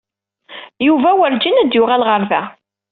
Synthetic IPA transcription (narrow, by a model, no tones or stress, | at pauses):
juvæwəɾd͡ʒinæd̪jʊʁælʁəɾvæ